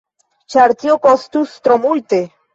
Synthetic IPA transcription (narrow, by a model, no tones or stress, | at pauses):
t͡ʃaɾt̪iokost̪ust̪ɾomujt̪e